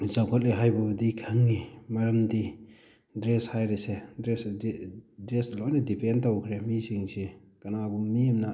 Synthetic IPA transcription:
zawkʰɔt̚leɦajbɐbɐdikʰɐŋnimɐɾɐmdi | dɾeshajɾesedɾes | dɾeslɔjnɐdipʰentawkʰɾemisiŋsi | kɐnabumiɐmna

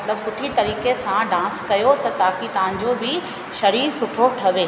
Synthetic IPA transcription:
mɐt̪ləbsʊʈʰit̪ɐɾiːkesãɖãːskɐjot̪ɐt̪aːkit̪ɐʋãɲ̆d͡ʑoːbɪ | ʃɐɾiːɾsʊʈʰoʈʰɐʋeː

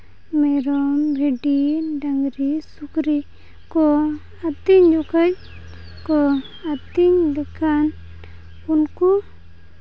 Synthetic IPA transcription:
mɛɾɔmbʱeɖiɖaŋɡɾisukɾi | kɔ | at̪iɲd͡ʒɔkʰə | kɔ | at̪iɲd̪ɛkʰan | unkɔ

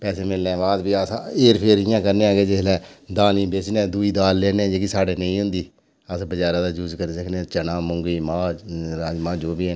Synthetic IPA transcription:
pɛːseːmɪlnẽːʋaːzbiːəsaeːɾpʰeːɾɦɪjãːkəɾnẽːãːɡeːd͡ʒelɛːd̪aːnĩːbeːt͡ʃnẽːd̪uiːd̪aːlːeːnẽd͡ʒeːkisaːɽeːnəĩːɦʊ̃nd̪iː | əsbəd͡ʒaːɾãːd̪aːd͡ʒuːd͡ʒkəɾiːsəkʰnet͡ʃənãːmʊ̃ŋɡiːmãːɾaːd͡ʒmãːd͡ʒoːbiːe

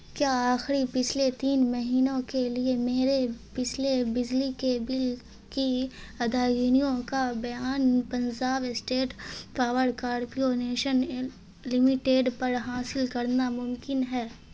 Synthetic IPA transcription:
kjaːaːxɾipɪt͡ʃʰlet̪iːnmɐɦiːnõkeliemeːɾepɪt͡ʃʰlebɪd͡ʒlikebɪl | kiɐd̪ʱaːɡinijõkabɐjaːnpɐ̃nd͡ʒaːʋɪsʈeːʈpaːʋəɾkaːɾpioneːʃən | lɪmɪʈeːɖpɐɾɦaːsɪlkɐɾnamʊ̃mkɪnɦɛː

